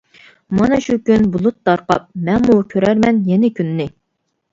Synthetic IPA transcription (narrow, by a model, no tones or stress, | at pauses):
mɑnɑʃukʲynbulˠut̪̚d̪ɑɾqɑ̰p̚mɛnmukʲʰøɾæɾmɛnjɛnɪkʲʰynːɪ